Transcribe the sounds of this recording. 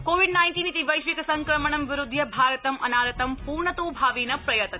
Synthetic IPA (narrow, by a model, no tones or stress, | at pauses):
koːʋiɖnajnʈiːnit̪iʋɐjʃʋikɐsɐŋkɾɐməɳ̃ɐmʋɪɾʊd̪ʱjɐbʱaːɾɐt̪ɐmɐnaːɾɐt̪ɐmpuːɾɳɐt̪oːbʱaːʋiːnɐpɾɐjɐt̪